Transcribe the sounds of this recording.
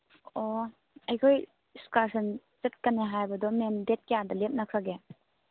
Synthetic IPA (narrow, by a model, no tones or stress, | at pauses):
ɔ | ɐjkʰoj | skaɾsɐn | t͡ʃet̚kanːeɦajbɐdɔmemdet̚kejadɐlep̚nak̚saɡe